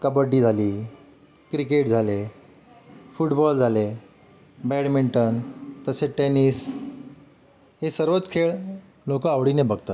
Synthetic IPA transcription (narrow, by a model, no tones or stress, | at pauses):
kəbəɾʈiːd͡zʱali | kɾikeʈd͡zʱale | fuʈbɔld͡zʱale | bɛɽmiɳʈənt̪əseʈenis | ɦesəɾʋət͡skʰeɭ | lokəaʋɽinẽbəɡ̚t̪at̪